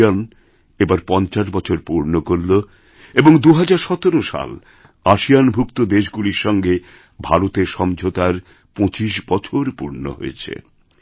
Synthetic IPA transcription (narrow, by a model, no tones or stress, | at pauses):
an | ebaɾpɔnt͡ɕaʃbɔt͡ɕʰoɾpuɾnokoɾːo | eboŋd̪uɦad͡ʑaɾʃɔt̪oɾoʃa̰l | aʃijanbʱukt̪od̪eʃ̬ɡuliɾʃɔŋɡe | bʱaɾot̪eɾʃɔmd͡ʑʱot̪aɾ | põt͡ɕiʃbɔt͡ɕʰoɾpuɾno̰ɦo̰jet͡ɕʰḛ